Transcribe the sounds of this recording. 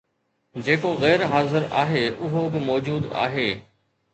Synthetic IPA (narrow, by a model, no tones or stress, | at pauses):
d͡ʑeːkoɣɛːɾɦaːzɪɾa̰ːɦeːʔʊɦobɪmɔːd͡ʑuːd̪a̰ːɦeː